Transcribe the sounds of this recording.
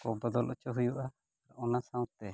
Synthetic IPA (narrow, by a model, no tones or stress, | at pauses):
kɔbəd̪ɔlʔɔt͡ʃɔɦujuʔaː | ɾʔɔnasãw̃t̪ɛ